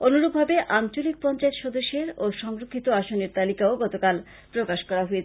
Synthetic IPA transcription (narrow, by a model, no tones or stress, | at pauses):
onuɾob̚bʱabeʔant͡ɕolik̚pɔnt͡ɕaet̪ʃod̪oʃːeɾoʃɔŋɾokʰːit̪oaʃoneɾt̪alikaoɡɔt̪okal | pɾokaʃkɔɾaɦoet͡ɕʰ